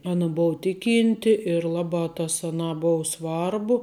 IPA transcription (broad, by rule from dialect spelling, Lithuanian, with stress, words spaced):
ˈɑːnɐ ˈboːʋɐ ˈtʲɪˌkʲiːnʲtʲɪ ɪr ˈlˠɑːbɑː tɐs ɐˈnɑː ˈboːʊ ˈsʋɐrbʊ